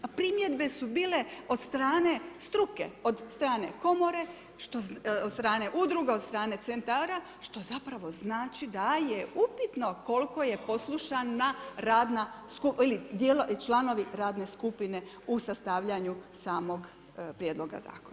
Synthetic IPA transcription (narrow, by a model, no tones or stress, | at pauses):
pɾimje̞d̪be̞subiːle̞o̞d̪st̪ɾaːne̞st̪ɾuke̞̰od̪st̪ɾaːne̞̰ko̞mo̞ɾe̞ | ʃt̪oost̪ɾaːne̞ʔud̪ɾuɡeost̪ɾaːne̞t̪sent̪aɾa | ʃt̪o̞zapɾaʋo̞znaːt͡ʃid̪ajeupit̪no̞ko̞lko̞je̞po̞slˠuʃanːaɾaːd̪naskupilid̪jeloʔt͡ʃlano̞ʋiɾaːd̪ne̞skupine̞ | usast̪aːʋʎaɲusaːmo̞ɡ | pɾjed̪lˠo̞ɡa̰za̰ːkon